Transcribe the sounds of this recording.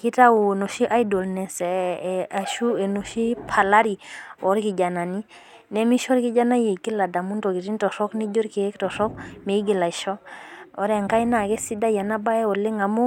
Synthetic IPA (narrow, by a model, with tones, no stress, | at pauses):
ki˦ta˦wu˨no˨ʃi˦ʔa˦jdo˨lnɛ˨sɛ˨a˨ʃu˦e˨no˨ʃi˦pʰa˨la˦ɾi˨ɔ˨˦ɾki˨ɟa˨na˨ni˦ | nɛ˦mi˦ʃɔ˦ɾki˦ɟa˦na˦je˨ki˦la˨da˨mu˦nto˨ki˨ti˦ntɔ˨sɔ˦kni˦ɟo˦ɾki˨˦ktɔ˨sɔ˦kme˨i˦ɡi˨la˨ʃo˦o̰˦ɾe˦˨ŋka˦jna˨ke˦si˦da˦ja˨na˦ba˦je˦o˨le˦ŋa˨mu˦